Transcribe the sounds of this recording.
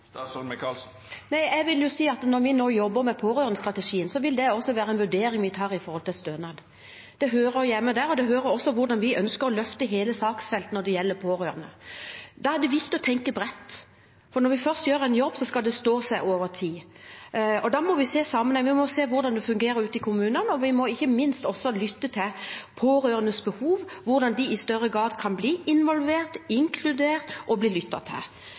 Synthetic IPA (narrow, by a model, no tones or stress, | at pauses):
næɪɛɡʋɪljʊsiːɑt̪nɔɾʋɪnoːjɔbːəɾmɛpʰoːɾøːɾənəst̪ɾɑt̪ɛʂiːənsɔʋɪld̪ɛɔsːɔʋæːɾəɛnʋʉɖ̪eːɾɪŋʋɪt̪ʰɑːɾɪfɔɾhɔlt̪ɪlst̪øːnɑd̪ | d̪̥ɛɦøːɾəjæmːəd̪æːɾɔd̪ɛɦøːɾəɾɔsːɔʋʊɾd̪ɑnʋɪʔœnskəɾɔlœft̪əɦeːləsɑːksfɛlt̪nɔd̪ɛjɛlːəpʰoːɾøːɾənəd̪ɑæd̪ɛʋɪkt̪ɪɔt̪ʰɛŋkəbɾɛt̪ː | fɔɾnɔɾʋɪfœʁst̪jøːɾəænjɔbːsɔskɑld̪ɛst̪oːsæɪʔoːʋəɾt̪ʰiː | ɔd̪ɑmɔʋɪseːsɑmːənhɛŋʋɪmɔseːʋʊɾd̪ɑnd̪ɛfʉŋɡeːɾəɾʉːt̪əɪkʰʊmʉːnənɔʋɪmɔɪçːəmɪnst̪ɔsːɔlʏt̪ːət̪ʰɪlpʰoːɾøːɾənəsbəhuːʋʋʊɾd̪ɑnd̪ɪɪst̪œrːəɡɾɑːd̪kʰɑnbliːɪnʋɔlʋeːʁt̪ɪŋkʰlʉd̪eːɾt̪ʔɔbliːlʏt̪ːɑ̰t̪ʰɪ̰l